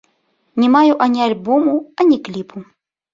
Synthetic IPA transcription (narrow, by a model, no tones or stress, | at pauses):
nʲimajuʔanʲialʲbomuanʲiklʲipʰu